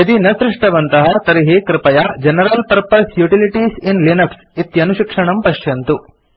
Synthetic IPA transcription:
ɐd̪inɐsɾɪʂʈɐʋɐnt̪ɐɦɐt̪ɐɾiɦikɾɪpɐjad͡ʒɛnɐɾɐlpɐɾpɐɾsjuʈiliʈisinlinɐks | it̪jɐnuʃikʂɐɳɐmpɐʂjɐnt̪u

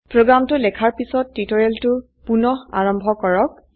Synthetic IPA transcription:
pɹoɡɹamtʊlɛkʰaɹpisɔtːitɔɹɛltʊ | punɔɦa̰ɹɔmbʱɔkɔɹɔk̚

